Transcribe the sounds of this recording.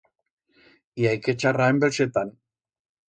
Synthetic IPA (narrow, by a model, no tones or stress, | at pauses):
iajket͡ʃaraembelset̪an